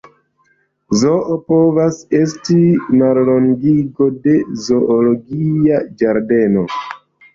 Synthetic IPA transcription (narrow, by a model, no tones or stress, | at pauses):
zo̞ʔopo̞vase̞stimaɾlo̞ŋɡiɡo̞de̞zo̞ʔoloɡiad͡ʒaɾde̞no̞